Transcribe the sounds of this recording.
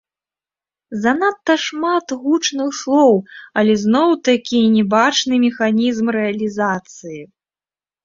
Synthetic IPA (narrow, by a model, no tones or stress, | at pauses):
zɐnat̪ːɐʂmat̪ɣut͡ʂnɨxslˠɔwɐlʲɛznɔwt̪akʲinʲɛbat͡ʂnɨmʲɛxanʲizmɾɛɐlʲizat̪sɨji